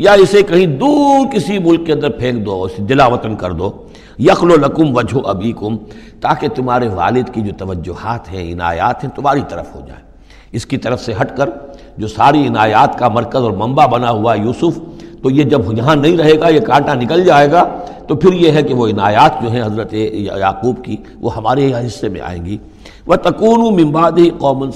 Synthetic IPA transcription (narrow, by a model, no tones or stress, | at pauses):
jaɪsekɐɦĩd̪uːɾkɪsimʊlkːeɐ̃nd̪əɾpʰẽːkd̪oːsd̪ɪlaːʋɐt̪ənkɐɾd̪oː | jɐxlolɐkʊmʋɐd͡ʒʱɦoʔɐbiːkʊm | t̪aːket̪ʊmɦaːɾeʋa̰ːlɪd̪kid͡ʒoːt̪ɐʋəd͡ʒːʊhaːt̪ɦɛ̰̃ɪ̰na̰ːja̰ːt̪ɦɛ̃t̪ʊmaːɾit̪ɐɾə̰fɦo̰d͡ʒa̰ːeː | ɪskit̪ɐɾəfseɦɐʈkəɾ | d͡ʒoːsaːɾiɪnaːjaːt̪kamɐɾkəzɔːɾmɐ̃mbabɐnaɦʊaɦɛjuːsʊft̪ojed͡ʒɐbjɐɦãnɐɦĩɾɐɦeːɡajekãːʈanɪkəld͡ʒaːeːɡaːt̪opʰɪɾjeɦɛkeʋoɪnaːjaːt̪d͡ʒoːɦɛ̃ɦɐzɾət̪ejaːquːbki | ʋʔo̰ɦɐmaːɾeɦɦɪsːemḛ̃ʔa̰ːḛ̃ːŋɡiː | ʋɐt̪ɐkuːnũmɪ̃nbaːd̪ɪɦiqɔːmən